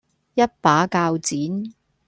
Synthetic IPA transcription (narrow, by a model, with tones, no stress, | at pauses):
jɐ˥t̚paː˨˥kaː˧wt͡siː˨˥n